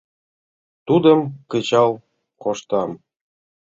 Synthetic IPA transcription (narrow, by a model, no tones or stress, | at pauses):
t̪ud̪ə̆mkə̆t͡ɕɑlˠ | koʃt̪ɑm